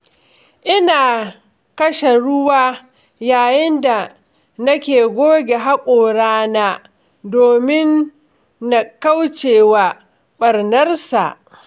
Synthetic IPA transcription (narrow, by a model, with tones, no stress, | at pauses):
ʔɪ˦naː˨ | kɐ˦ʃe˨ɽʊ˦waː˦ | jaː˨jɪ˦nda˨ | nɐ˦kʲeː˨ɡʷoː˦ɡʲe˨ɦa˦kʷʼoː˨ɽaː˦naː˦ | doː˨mɪ˦nː | a˨ka˦wt͡ʃeː˨wa˨ | ɓɐ˨ɾnɐ˦rsa̰˨ʔ